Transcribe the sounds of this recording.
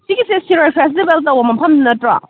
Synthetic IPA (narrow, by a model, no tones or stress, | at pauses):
siɡisesiɾajpʰɛs̬tibeltɐwomɐmpʰɐmdunɐtɾa̰